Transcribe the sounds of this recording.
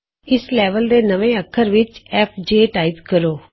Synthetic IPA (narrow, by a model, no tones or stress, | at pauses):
ɪslɛːʋəld̪eːnəʋẽːəkʰːəɾʋɪt͡ʃɛːpʰd͡ʒeːʈaːɪt̪kəɾoː